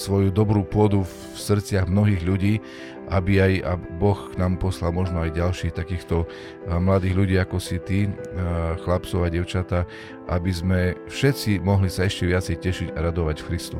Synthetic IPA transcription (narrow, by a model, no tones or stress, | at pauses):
sʋɔjud̪ɔbɾuːpʊɔd̪uf | sr̩t͡sɪaɣmnɔɦiːɣʎuɟiː | abiaja̰bɔxknaːmpɔslalmɔʒnɔajɟalʃiːxt̪akiːxt̪ɔ | mlad̪iːɣʎuɟiːakɔsit̪i | xlapt͡sɔʊaɟɪɛʊt͡ʃat̪a | ʔabizmɛfʃɛt̪t͡simɔɦlisaɛʃcɛʋɪat͡sɛjcɛʃiɟaɾad̪ɔʋacfxɾist̪u